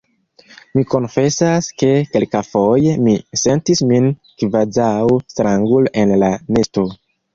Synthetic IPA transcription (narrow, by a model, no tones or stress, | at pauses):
miko̞nfe̞saske̞ke̞lkafo̞je̞mise̞ntismin | kvadawstɾaŋɡule̞nlane̞sto